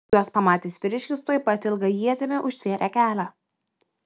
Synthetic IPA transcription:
uɔspɐmɑːt̪ʲiːsʋʲɪɾʲɪʃʲkʲɪst̪oːjpɐt̪ʲɪlˠɡɐjiɛt̪ʲɪmʲɪʔʊʃʲt̪ʲʋʲiɛɾʲʔækʲæːlʲæ

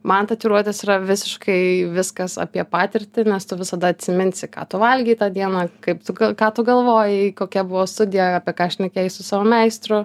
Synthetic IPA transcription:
mɐnt̪ɐt̪ʲiɾuɔt̪ʲesiɾɐʋʲɪsʲɪʃkɐɪʋʲɪskɐsɐ̰pʲiɛpɑːt̪ʲɪɾʲt̪ʲɪnʲɛst̪ʊʋʲɪsɐd̪ɐɐt̪ʲsʲɪmʲɪnʲsʲɪkɑ̰ːt̪ʊʋɐlʲɡʲiːt̪ɑːd̪ʲiɛnɑkɐɪpt̪ʊɡɐkɑːt̪ʊɡɐlˠʋoːjɪkoːkʲɛbʊʋoːst̪ʊd̪ʲɪjɛɑːpʲiɛkɑːɐʃʲnʲɛkʲejɪsʊsɑːʋoːmʲɛɪst̪ɾʊ

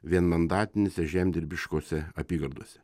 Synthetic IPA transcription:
ʋʲiɛnmɐnd̪ɑːt̪ʲɪnʲesʲɛʒʲæmʲd̪ʲɪɾʲbʲɪʃkoːsʲɛɐpʲiːɡɐɾd̪uɔsʲɛ̥

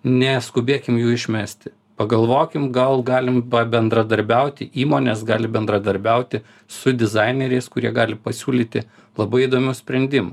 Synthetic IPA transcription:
nʲɛskʊbʲeːkʲɪmjuːɪʃʲmʲæːsʲt̪ʲɪ | pɐɡɐlˠʋoːkʲɪmɡɐlˠɡɑːlʲɪmpɐbʲɛnd̪ɾɐd̪ɐɾʲbʲɛʊt̪ʲɪʔiːmoːnʲɛsɡɑːlʲɪbʲɛnd̪ɾɐd̪ɐɾʲbʲɛʊt̪ʲɪ | sʊd̪ʲɪzɑɪnʲɛɾʲɛɪskʊɾʲiɛɡɑːlʲɪpɐsʲuːlʲiːt̪ʲɪ | lˠɐbɐɪid̪oːmʲʊːsʲpʲɾʲɛnʲd̪ʲɪmʊ

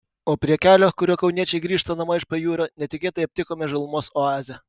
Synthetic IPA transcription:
oːpʲɾʲiɛkʲæːlʲoːkʊɾʲuːkɐʊnʲiɛt͡ʃʲɛɪɡɾʲiːʃt̪ɐnɐmɐɪʃpɐjuːɾoːnʲɛt̪ʲɪkʲeːt̪ɐɪɐp̚ʲt̪ʲɪkoːmʲɛʒɐlˠʊmoːsoɑːzʲɛ

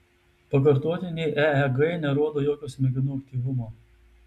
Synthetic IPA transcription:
pɐk̬ɐɾt̪oːt̪ʲɪnʲɛɪʔɛɛɡɐɪnʲɛɾoɔd̪oːjoːkʲoːsʲmʲɛɡʲɪnuːɐk̚t̪ʲiːʋʊmoː

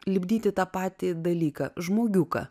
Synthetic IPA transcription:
lʲɪbʲd̪ʲiːt̪ʲɪt̪ɑːpɑːt̪ʲɪd̪ɐlʲiːkɐʒmoːɡʲuːkɐ̰

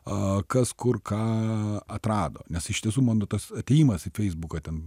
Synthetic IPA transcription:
ɐkɐskʊrkʰɑːɐt̪ɾɑːd̪o̰ːnʲɛsɪʃt̪ʲiɛs̬uːmɑːnoːt̪ɐsɐt̪ʲɛːjiːmɐsɪfʲɛɪzbuːkɐːt̪ʲɛn

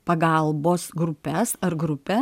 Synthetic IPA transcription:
pɐɡɐlˠboːsɡɾʊpʲɛsɐɾɡɾʊpʲɛ

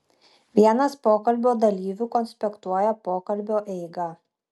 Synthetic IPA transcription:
ʋʲiɛnɐspoːkɐlʲbʲoːd̪ɐlʲiːʋʲʊkɔnʲsʲpʲɛkt̪uɔjɛpoːkɐlʲbʲoːʔɛɪɡɐ

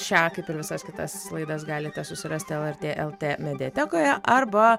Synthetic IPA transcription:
t͡ʃʲæːkɐɪpɪɾʋʲɪsɐskʲɪt̪ɐslˠɐɪd̪ɐsɡɑːlʲɪt̪ʲɛsʊsʲɪɾɐsʲt̪ʲɪɛlˠɛɾʲt̪ʲeːʔɛlˠt̪ʲeːmʲɛd̪ʲɛːt̪ʲɛkoːjɛʔɐrbɐ

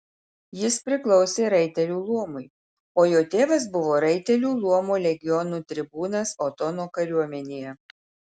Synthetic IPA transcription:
jɪspʲɾʲɪklˠɒʊsʲeːɾɐɪt̪ʲɛlʲuːlˠuɔmʊɪ | oːjoːt̪ʲeːʋɐs̬bʊʋoːɾɐɪt̪ʲɛlʲuːlˠuɔmuːlʲɛɡʲɪjɔnuːt̪ʲɾʲɪbuːnɐsoːt̪ɔnoːkɐɾʲuɔmʲɛnʲeːjɛ

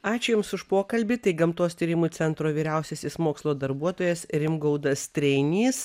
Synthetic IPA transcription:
ɑːt͡ʃʲʊjʊmsʊʃpoːkɐlʲbʲɪt̪ɐɪɡɐmt̪oːst̪ʲiːɾʲɪmuːt͡s̪ʲɛnt̪ɾoːʋʲiːɾʲɛʊsʲesʲɪsmoːkslˠoːd̪ɐɾbuɔt̪oːjɛsɾʲɪmɡɐʊd̪ɐst̪ʲɾʲɛɪnʲiːs

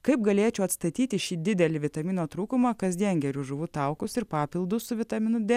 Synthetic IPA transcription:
kɐɪpɡɐlʲeːt͡ʃʲɛʊɐt̪st̪ɐt̪ʲiːt̪ʲɪʃʲiːd̪ʲɪd̪ʲɛlʲɪʋʲɪt̪ɐmʲiːnoːt̪ɾuːkʊmɐkɐzʲd̪ʲiɛnɡʲɛɾʲuʒʊʋʊt̪ɐˑʊkʊsɪɾpɑːpʲɪlˠd̪ʊsʊʋʲɪt̪ɐmʲɪnʊd̪ʲɛ

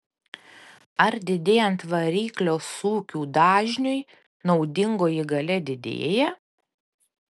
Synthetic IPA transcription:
ɐɾd̪ʲɪd̪ʲeːjɛnt̪ʋɐɾʲiːklʲoːsuːkʲuːd̪ɑːʒʲnʲʊɪ | nɔʊd̪ʲɪŋɡoːjiɡɐlʲɛd̪ʲɪd̪ʲḛːjɛ

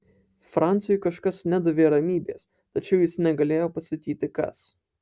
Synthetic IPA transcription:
fɾɑˑnt̪sʲɪjʊɪkɐʃkɐsnʲɛd̪ʊʋʲeːɾɐmʲiːbʲḛːs | t̪ɐt͡ʃʲɛʊjɪsnʲɛɡɐlʲeːjoːpɐst̪ɐk̪ʲiːt̪ʲɪkɐ̰s

